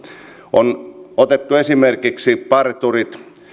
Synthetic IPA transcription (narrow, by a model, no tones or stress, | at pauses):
onot̪et̪ːuesimerkiksipɑrt̪urit̪